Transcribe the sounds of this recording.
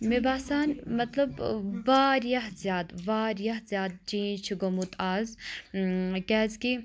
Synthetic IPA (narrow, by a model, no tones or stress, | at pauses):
mebaːsaːnmɐt̪lɐbʋaːɾjaɦzjaːd̪ʋaːɾjɐɦzjaːd̪̚t͡ʃĩːt͡ʃʰɡomut̪aːz | kɛːzki